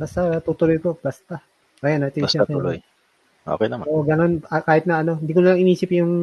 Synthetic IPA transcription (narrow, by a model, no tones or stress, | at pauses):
bɐst̪at̪ut̪ʊlojkob̥ɐst̪ɐ | ʔɐjanɐt̪ɪnsɐɐjlo̰j | ʔo̰kɛjnɐmoʔɡɐno̞nɐkaːhɪt̪nɐʔɐno̞hɪnd̪ikonɐlaɐŋɪniːsɪpjʊŋ